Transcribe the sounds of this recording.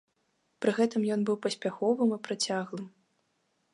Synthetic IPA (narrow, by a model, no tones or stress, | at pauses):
pɾɨɣɛt̪ɨmjɔnbɨwpɐsʲpʲaxɔvɨmipɾat͡sʲaɣlˠɨm